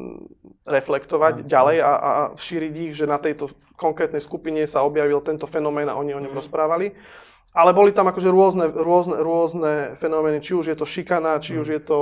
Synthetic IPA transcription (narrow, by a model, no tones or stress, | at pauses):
ɾɛflɛkt̪ɔʋaɟɟalɛjaʔa̰fʃiːɾiɟiɣʒɛnat̪ɛjt̪ɔ | kɔŋkɾɛːt̪nɛjskupiɲɛsaɔbjaʋilt̪ɛnt̪ɔfɛnɔmɛːna̰ɔɲiɔɲɔmɾɔspɾaːʋali | alɛbɔlit̪amakɔʒɛɾʊɔznɛɾʊɔznɛɾʊɔznɛfɛnɔmɛːnit͡ʃiuʒjɛt̪ɔʃikanaːt͡ʃiuʒjɛt̪ɔ